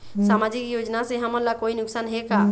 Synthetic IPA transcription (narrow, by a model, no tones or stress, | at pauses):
samad͡ʒikjod͡ʒnasẽɦəməɾlakoinʊksanɦeka